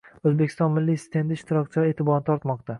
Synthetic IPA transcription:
ɵzbekʲʰɪst̪ɒnmɪlːist̪ʰe̞nd̪ɪɪʃt̪ɪɾɒk̚ʲt͡ʃʰɪet̪ʰɪbɒɾnɪt̪ʰɒɾt̪mɒqt̪ʰa

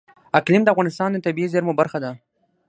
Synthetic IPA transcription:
aklɪmd̪əafvɣɑnɪst̪ɑnd̪ət̪abiizeɾmobaɾxad̪a

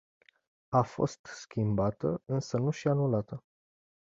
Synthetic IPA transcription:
afo̞̰st̪skʲimbat̪əɨnsənuʃianulat̪ə

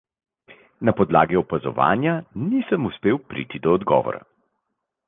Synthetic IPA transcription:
napɔd̪laːɡiɔpazɔ̰ʋa̰ːnjanisəmuspeːwpɾḭːt̪id̪ɔːd̪ɡɔ̰ːʋɔ̰ɾa̰

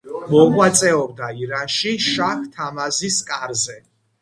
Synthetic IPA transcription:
mɔʁwat̪sʼɛɔb̚d̪aiɾanʃiʃaχt̪ʰamaziskʼaɾzɛ

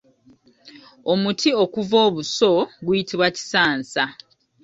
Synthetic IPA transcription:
o̞mutʰio̞kuvo̞ːβuso̞ɡujitiβwaci̥saːnsa

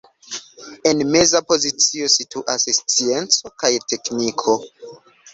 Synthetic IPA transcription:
e̞nme̞zapo̞zit͡sio̞situʔasst͡sient͡so̞kajte̞knikʰo̞

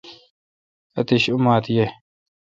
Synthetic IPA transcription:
ɐt̪iɕʊmaːt̪je

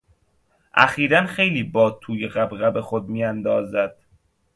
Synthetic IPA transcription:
ʔæ̰xiːɾænxe̞jliːbɒːt̪ʰuːjeɣæbɣæbe̞xod̪̚miːjænd̪ɒːzæd̪̥

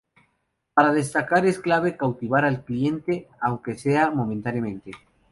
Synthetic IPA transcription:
paɾað̞e̞st̪akaɾe̞sklaβ̞e̞kawt̪iβ̞aɾalklie̞nt̪eawŋke̞seamõ̞mẽnt̪anjamẽ̞nt̪e

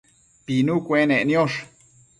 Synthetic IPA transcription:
pinukʷeneʔnjoʂ

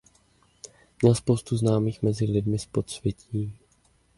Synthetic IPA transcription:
mɲɛlspowst̪uznaːmiːxmɛzɪlɪdmɪspot̪svjɛciː

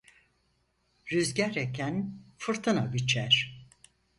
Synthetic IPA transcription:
ɾyzɟæɾecʰænfɯɾt̪ʰɯnabit͡ʃʰæɾ̥

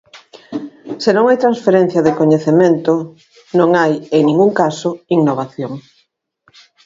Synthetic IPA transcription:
senõŋajt̪ɾãnsfeɾen̟θjɐðekoɲeθement̪o | nõŋajeŋnĩŋɡuŋkasoiŋnoβaθjoŋ

